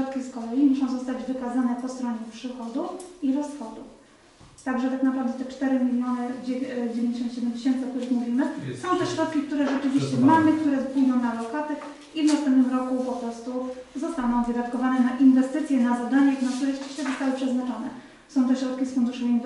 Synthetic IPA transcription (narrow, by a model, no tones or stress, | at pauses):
ɔt̪kʲiskɔlɛjimuʂɔ̃w̃zɔst̪ad͡ʑvɘkazanɛpɔst̪ɾɔɲɛpʂɘxɔd̪ufiɾɔsxɔd̪uf | t̪aɡʐɛt̪aknapɾavd̪ɛt̪ɛt͡ʂt̪ɛɾɘmʲilʲjɔnɛd͡ʑed͡ʑevʲj̃ɲd͡ʑeɕ̬ɔnt̪ɕɛd̪ɛmd͡ʑeɕɛnt̪sɨɔkt̪uɾɘxmuvʲimɘsɔ̃w̃t̪ɛɕɾɔt̪̚kʲik̚t̪uɾɛʐɛt͡ʂɘvʲiɕt͡ɕɛmamɘk̚t̪uɾɛpujd̪ɔ̃w̃nalɔkat̪ɛ | ivnast̪ɛmp̪nɘmɾɔkupɔpɾɔst̪uzɔst̪anɔ̃w̃vɨd̪at̪kɔvanɛnaʔinvɛst̪ɘt̪sʲjɛnazad̪aɲɛiɡnasujaki̥ʃt̪ɛzɔst̪awɘpʂɛznat͡ʂɔnɛ | sɔ̃w̃t̪ɔɕɾɔt̪kʲisfund̪uʂɛinv